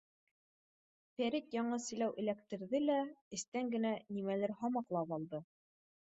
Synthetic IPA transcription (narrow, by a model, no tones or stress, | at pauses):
fæɾit̪jɑɴɤsɘ̆jlæwʔɘ̆lækt̪ɘ̆ɾðɘlæɘ̆st̪æŋɡɘ̆nænimælɘɾhɑmɑqlˠɑpɑlˠd̪ɤ